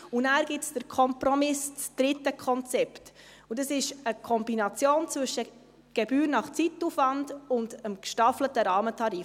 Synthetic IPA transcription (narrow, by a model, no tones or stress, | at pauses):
unæːɾɡɪtsd̥əɾkʰɔmpɾɔmɪsd̥ɾɪtːəkʰɔnt͡sɛpt | udɑsɪʃəkʰɔmbinɑt͡sjoːnt͡sʋʏʃə | ɡ̥ɛb̥yːɾnɑχt͡sitːufʋɑndʊndəmkʃtɑflətəɾɑːmətʰɑɾiːf